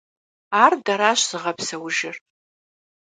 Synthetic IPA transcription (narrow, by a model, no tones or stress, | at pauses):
ardaɾaʃʷz̥ɨʁapʰsɐwʒɪr